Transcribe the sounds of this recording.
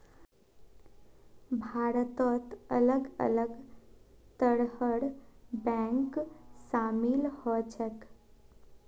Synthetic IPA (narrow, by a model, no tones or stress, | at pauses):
bʱaːɾət̪ɔt̪ələɡə̰ləɡ | t̪əɽhəɽbɛ̃ːŋksaːmilhɔt͡ʃʰək